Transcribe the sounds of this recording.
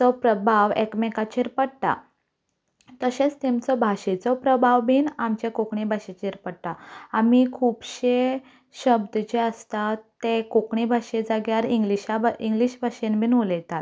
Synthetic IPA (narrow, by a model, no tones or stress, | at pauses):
t͡sɔpɾəbʱaʋekmekat͡ɕeɾpəɽʈ̪a̰ | t̪əɕet͡st̪emt͡sɔbʱaɕet͡sɔpɾəbʱaʋbʱiːnamt͡ɕakokɳibʱaɕet͡ɕeɾpəɽʈ̪aamikʰuːbɕe | ɕəbd̪ət͡ɕeəst̪at̪ekokɳibʱaɕed͡zaɡjaɾiŋɡliɕaiŋɡliɕbʱaɕenbʱinulɛt̪at̪